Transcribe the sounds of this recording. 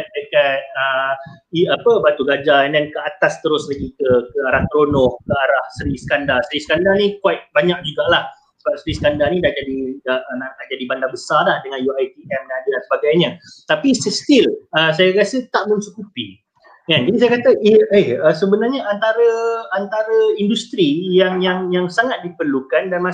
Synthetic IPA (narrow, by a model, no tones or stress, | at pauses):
t̪dəkat̪̚əiapəbat̪uɡad͡ʒandankəat̪ast̪əɾʊslaɡikəkəaɾaht̪ɾonɔhkəaɾahsəɾisə̥kandarsəɾisə̥kandarnĩkwat̚baɲak̚d͡ʒuɡaʔlah | səbap̚səɾisə̥kandarnĩdahd͡ʒadiəʔnalad͡ʒadibandabəsarlahdəŋanjuajt̪ijamŋadədansəbaɡajɲat̪apisəst̪iləs̬ajakasət̪aʔmə̃nsukupi | kand͡ʒadisajakat̪aʔiehəsəbənarɲaʔant̪aɾəant̪aɾəindust̪ɾijaŋjaŋjaŋsaŋat̪̚dipərlukandanma